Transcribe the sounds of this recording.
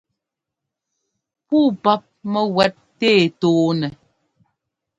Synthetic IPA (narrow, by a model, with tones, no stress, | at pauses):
puː˦˨pa˦p̚mɛ˦wɛ˦t̚ːeː˦˨toː˨˦nɛ˨